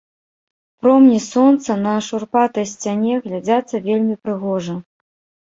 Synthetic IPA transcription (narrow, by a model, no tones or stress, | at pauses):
pɾɔmnʲisɔnt̪sɐnɐʂurpat̪ɐjsʲt͡sʲanʲɛɣlʲad͡zʲat̪sːɐvʲelʲmʲipɾɨɣɔʐɐ